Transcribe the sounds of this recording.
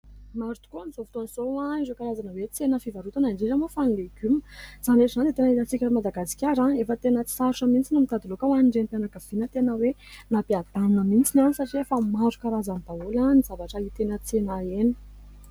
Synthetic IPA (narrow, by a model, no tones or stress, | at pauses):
maɾut̪u̥kunizovut̪onizowãizekaɾazanəwet͡senəfivaɾut̪anaɳɖ͡ʐiɾamofanileɡ̥ʲymə̥z̥anɖ͡ʐeizand̪et̪enilat͡sikʲaʈ͡ʂamad̪aɡasi̥kʲaɾãefət̪enət͡si̥saɾʈ͡ʂəmint͡sinumit̪ad̪ilokawaniɳɖ͡ʐenp̪ianakav̥inət̪enəwenapead̪aninəmint͡sinansaʈ͡ʂiefəmaɾukaɾazanb̪aulanizavaʈ͡ʂəit̪enət͡senaeni̥